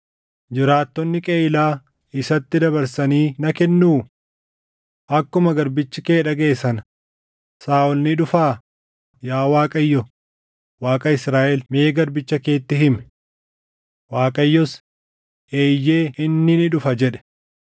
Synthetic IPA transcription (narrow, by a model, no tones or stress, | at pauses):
d͡ʒɪɾaːt̪ːɔnːɪkʼeːɪlaː | ɪsɐt̪ːɪd̪ɐbɐɾsɐniːnɐkɛnːuː | ʔɐkːʊmɐɡɐɾbɪt͡ʃːɪkeːᶑɐɡe̞ːsɐn | saːʔɔlnɪᶑʊfaː | jaːwaːkʼɐjːɔ | waːkʼɐɪsɾaːʔɛlme̞ːɡɐɾbɪt͡ʃːɐke̞ːt̪ːɪɦɪmɛ̥ | waːkʼɐjːɔs | ʔeːjːe̞ːʔɪnːɪnɪᶑʊfɐd͡ʒɛᶑɛ̥